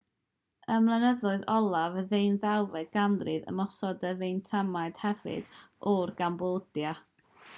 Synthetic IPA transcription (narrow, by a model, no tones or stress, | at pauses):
əmlˠanəðʊɨðɔlˠavəðenðawvɛɡ̥andrɨðə̰mɔsɔdəvejntʰamaɨd̥hɛvɨ̰d̥ɔrɡamboːdja